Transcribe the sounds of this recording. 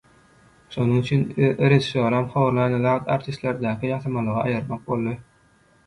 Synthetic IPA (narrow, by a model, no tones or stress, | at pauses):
ʃo̞nuŋyt͡ʃʰynɾeʒisoɾɑmχɑwɑɾlˠɑjnɯlɑt̪ɑ̰ɾt̪ʰist̪lʲeɾd̪æːkʲʰijɑθɯmɑlˠɯʁɑɑjɯɾmɑq̚bo̞lˠːɯ